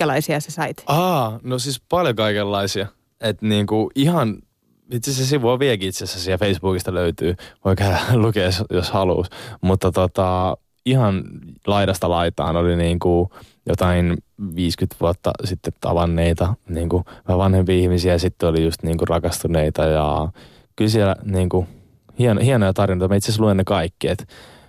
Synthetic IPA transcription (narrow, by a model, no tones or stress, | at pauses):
ælɑisiɑsesɑit̪ɑːnosispɑljokɑikelːɑisiɑ | et̪niːŋkuʔihɑn | it̪seses̬iʋuoʋiɛlkiit̪sesæsiæfeisb̥uːkist̪ɑløyt̪yːʋoikhælukeːsjoshɑlṵːsmut̪ːɑt̪ot̪ɑ | ihɑnlɑiɾɑst̪ɑlɑit̪ɑ̰ːnoliniːŋkujot̪ɑinʋiːskyt̪ʋuot̪ːɑ̰sit̪ːet̪ɑ̰ʋɑnːeit̪ɑniːŋkuʋʋɑnhempiɑihmisiæsit̪ːeolijust̪niːŋkurɑkɑst̪uneit̪ɑjɑ̰ | kylsiɛlæ̰niːŋku | hienhienojɑt̪ɑrinoijt̪ɑmɑit̪ses̬luenːekɑikːiet̪